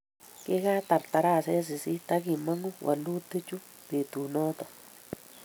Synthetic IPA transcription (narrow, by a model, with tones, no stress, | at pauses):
ke˦ka˦t̪a˨ɾt̪a˨ɾa˦˨sa˦ja˦s̬i˨si˦t̪a˦ki˦˨ma˦ŋu˦wʔa̰˨lu˦t̪ɨ˦t͡ʃu˦ | d̪e˨t̪u˨nɔ˦t̪a˨